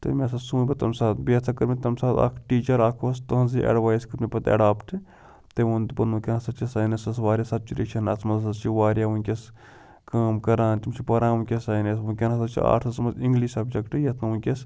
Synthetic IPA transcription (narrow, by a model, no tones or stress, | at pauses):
t̪ɐ̰mʲesɐsuːbɐt̪ɐmsaːt̪biɐt̪ʰɐkɐɾmʲit̪ɐmsaːt̪a̰kʰʈiːt͡ʃɐɾaːkʰost̪ɐɦɐnziʔḛɖʋaːjskɐɾmʲipɐt̪ɐ̰ɖaːpʈʰɨ | t̪eund̪pɐɾnukʲɐnɐsɐt͡ʃisaːnɐsɐsʋaːɾʲjasɐt̪̚t͡ʃiɾit͡ʃʰɐnɐsmɐzsɐzt͡ʃiʋaːɾʲjaunʲkʲes | kaːmkɐɾãːnt͡ʃimt͡ʃʰipɐɾãːukʲesaːnesukʲɐnɐsɐt͡ʃʰḭa̰ːʈʰɐsmɐziŋɡliːʃɐbd͡ʒɐkʈɨjɐt̪ʰnɐunʲkʲes